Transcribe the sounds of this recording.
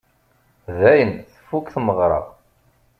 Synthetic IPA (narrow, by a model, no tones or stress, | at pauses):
ðæjənθəfːukθməʁɾˤɑ̰ʁ